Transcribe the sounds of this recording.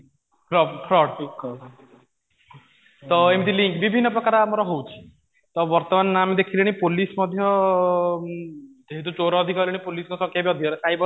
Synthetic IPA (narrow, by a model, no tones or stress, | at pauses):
pʰɾɔpʰɾɔɖ | t̪ɔemt̪iliŋkbibʱinːɔpɾɔkaɾamɔɾɔɦowt͡ʃʰi̥ | t̪ɔʋɔɾt̪ɔmanːamid̪ekʰiliɽ̃ipolismɔd̪ʱjɔ | d̪eɦit̪̬ut͡ʃoɾɔːd̪ʱikɔliɽ̃ipolisnɔsɔkʰjabiɔd̪ʱikɔɾesajbɔ